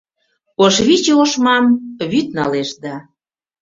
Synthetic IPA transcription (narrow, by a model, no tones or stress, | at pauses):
oʃβit͡ɕeoʃmɑmβyt̪̚nɑleʃd̪ɑ